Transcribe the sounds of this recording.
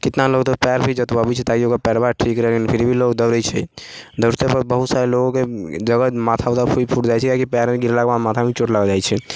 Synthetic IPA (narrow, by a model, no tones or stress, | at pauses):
kɪt̪naloːɡt̪opɛːɾbʱid͡ʒət̪babʱit͡ʃʰɛt̪akiokapɛːɾbaʈʰiːkɾɛɦkinpʰɪɾbʱiloːɡd̪əɾət͡ʃʰɛ̰d̪əʊɾt̪epəɾbəɦut̪saːɾeloɡõked͡ʒəɡəmaːt̪ʰaot̪apʰuipʰuʈd͡ʒajt͡ʃʰɛkakipɛːɾmẽɡɪɾlabamaːt̪ʰabʱĩt͡ʃoʈlaɡɔd͡ʒaːjt͡ʃʰɛ